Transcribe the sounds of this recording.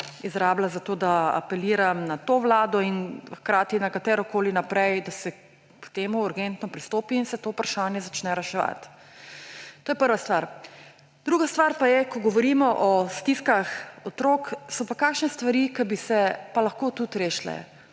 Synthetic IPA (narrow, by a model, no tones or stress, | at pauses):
izɾaːblazat̪oːd̪aa̰pɛliːɾamnat̪oːʋlaːd̪ɔinxkɾaːt̪inakat̪ɛːɾɔkoːlinapɾɛjd̪asɛ | kt̪eːmuuɾɡent̪nɔpɾist̪oːpiːnsɛt̪oːupɾaʃaːnjɛzat͡ʃnɛɾɛʃɛʋa̰t̪ | t̪oːjɛpəɾʋast̪ʋaːɾ | d̪̥ɾuːɡast̪ʋaːɾpajɛkɔɡɔʋɔɾiːmɔʔɔst̪iskaxɔt̪ɾoksɔpakakʃnɛst̪ʋaɾiːkabisɛpalaxkoːt̪ut̪ɾeːʃlɛ̰